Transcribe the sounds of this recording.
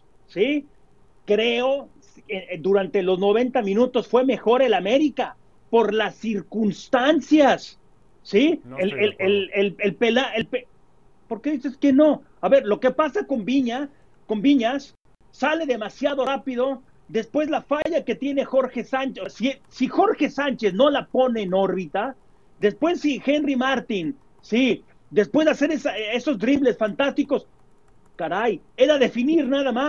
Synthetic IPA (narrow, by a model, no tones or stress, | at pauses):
si | kɾe̞o̞ | ed̪uɾant̪e̞lo̞zno̞β̞e̞nt̪amĩnut̪o̞sfwe̞me̞xo̞ɾe̞lame̞ɾika | po̞ɾlasːiɾkunst̪ansjasː | ieleelelelpelaelpe | po̞ɾkeðise̞ske̞no̞ | aβe̞ɾlo̞ke̞pasako̞mbiɲa | ko̞mbiɲasː | ale̞ðemasjaðo̞rapiðo̞ | d̪e̞spwe̞zlafaʝake̞t̪je̞ne̞xo̞ɾxe̞sant͡ʃesisixo̞ɾxe̞sant͡ʃe̞sno̞lapo̞ne̞ːno̞ɾβit̪a | d̪e̞spwe̞sːixe̞nrimaɾt̪in | si | d̪e̞spwe̞zðase̞ɾesae̞so̞zd̪ɾiβle̞sfant̪ast̪iko̞s | kaɾajeðaðe̞finiɾnaðamas